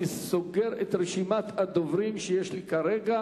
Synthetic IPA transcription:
isoɡeɾet̪ɾeʃimat̪had̪ovɾimʃejeʃlikaɾeɡa

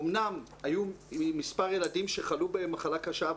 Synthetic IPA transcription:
omnam | ajumispaʁjeladimʃe̞χalubemaχalakaʃa

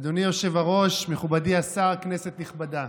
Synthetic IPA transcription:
d̪onijo̞ʃe̞vaʁo̞ʃme̞χubadiasaʁkne̞se̞t̪niχbad̪a

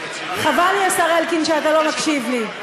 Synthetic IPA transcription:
χavaljasaʁelkinʃeat̪alo̞makʃivli

